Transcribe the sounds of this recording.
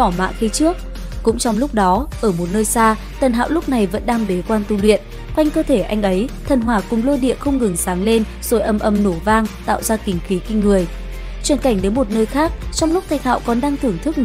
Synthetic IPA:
ɔ˧˩ma̰ː˧˨xi˧t͡ɕɨ˦˥ək̚ | kʊ̰˧˥ŋ͡mt͡ɕɔ˧wŋ͡mlʊ˦˥k͡p̚ɗɔ˨˦ʔəː˧˩mo˨˩t̚nəː˧jsaː˧ | t̪ə˨˩nɦa̰ː˧˨wlʊ˦˥k͡p̚na˨˩jvə̰˧˥nɗaː˧ŋɓe˨˦kwaː˧nt̪u˧lwḭ˧˨ən | kwa˧jŋ̟kəː˧t̪ʰe˧˩ʔa˧jŋ̟ʔə˨˦jt̪ʰə˨˩nɦwaː˨˩kʊ˨˩ŋ͡mlo˧ɗḭ˧˨əxə˧wŋ͡mŋɨ˨˩ŋsaː˨˦ŋle˧n | z̥o˨˦jʔə˧˩mʔə˧˩mno˧˩vaː˧ŋt̪a̰ː˧˨wzaː˧kï˨˩ŋ̟xi˨˦kï˧ŋ̟ŋɨ˨˩əj | t͡ɕwi˨˩ənka˧˩jŋ̟ɗe˨˦jmo˨˩t̚nəː˧jxaː˦˥k̚t͡ɕɔ˧wŋ͡mlʊ˦˥k͡p̚t̪ʰa˨˩j̟ha̰ː˧˨wkɔ˨˩nɗaː˧ŋt̪ʰɨ˨˩əŋt̪ʰɨ˦˥k̚n˨

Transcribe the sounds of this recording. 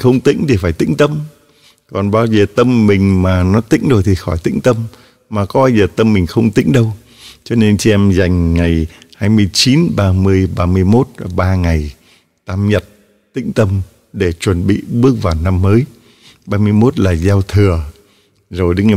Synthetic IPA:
xə˧wŋ͡mt̪ḭ˧˥ŋ̟t̪ʰi˨˩faː˧˩jt̪ḭ̈˧˥ŋ̟t̪ə˧m | kɔ˨˩nɓaː˧wzəː˨˩t̪ə˧mːï˨˩ŋ̟maː˨˩nɔ˨˦t̪ḭ˧˥ŋ̟ɗo˨˩j̚t̪ʰi˨˩xɔ˧˩jt̪ḭ˧˥ŋ̟t̪ə˧m | maː˨˩kɔ˨˦ɓaː˧wzəː˨˩t̪ə˧mːï˨˩ŋ̟xə˧wŋ͡mt̪ḭ˧˥ŋ̟ɗə˧w | t͡ɕɔ˧ne˧nt͡ɕi˧ʔɛ˧mza˨˩jŋ̟ŋa˨˩jhaː˧jmɨ˧əjt͡ɕi˨˦nɓaː˧mɨ˧əjɓaː˧mɨ˧əjmo˦˥t̚ɓaː˧ŋa˨˩j | t̪aː˧mɲə˨˩t̚ | t̪ḭ˧˥ŋ̟t̪ə˧m | ɗe˧˩t͡ɕwə˨˩nɓḭ˧˨ɓɨ˦˥ək̚vaː˨˩wna˧mːəː˨˦j | ɓaː˧mɨ˧əjmo˦˥t̚laː˨˩zaː˧wt̪ʰɨ˨˩ə | zo˨˩jɗə˨˦ŋ˨˩˨

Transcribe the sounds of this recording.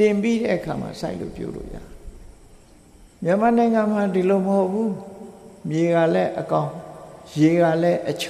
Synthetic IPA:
tɪ̃˨mpi˦ɾɛ̰˦ʔəkʰa̰˨ma̰˨sa˦ɪʔlo̰˦˨pjɔ̰˦lo̰˦˨ja̰˦˨ | mjã˦˨ma˨nã˨ɪ̃ŋã˨m̥a˨di˨lo˨məho˦ʊpʰːu˦ | mje˨ɣa˨lɛ˦ʔəkã˦ʊ̃je˨ɣa˨lɛ˦ʔət͡ɕʰ

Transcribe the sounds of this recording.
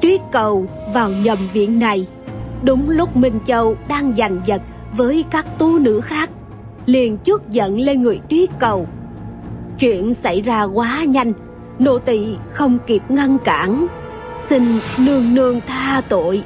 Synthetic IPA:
t̪wi˦˥ət̚kə˨˩w | vaː˨˩wɲə˨˩mvḭ˧˨ənːa˨˩j | ɗʊ˨˦ŋ͡mlʊ˦˥k͡p̚mï˨˩ŋ̟t͡ɕə˧˩wɗaː˧ŋza˨˩jŋ̟zə˨˩t̚ | vəː˨˦jkaː˦˥k̚t̪u˧nɨ̰˧˥xaː˦˥k̚ | li˨˩ənt͡ɕu˦˥ət̚zə̰˧˨nle˧nŋɨ˨˩əjt̪wi˦˥ət̚kə˨˩w | t͡ɕwḭ˧˨ənsa˧˩jzaː˧ɣwaː˨˦ɲa˧jŋ̟ | no̰˧˨t̪ḭ˧˨xə˧wŋ͡mki˦˩p̚ŋə˧nka̰ː˧˩n | sï˧ŋnɨ˧əŋnɨ˧əŋt̪ʰaː˧t̪o̰˧˨j

